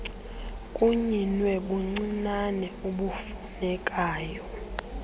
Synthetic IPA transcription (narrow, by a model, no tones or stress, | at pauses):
kʼuɲinwɛɓuŋ͡ǀinanɛuɓufunɛkʼaːjɔ